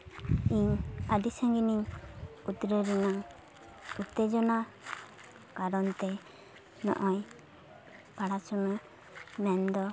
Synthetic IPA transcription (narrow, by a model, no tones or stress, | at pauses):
iɲad̪isaŋɡiniɲut̪ɾəɾinaŋ | ut̪ed͡ʒɔna | kaɾɔnt̪ɛ | nɔ̰ʔɔj | paɽasunə | mɛnd̪ɔ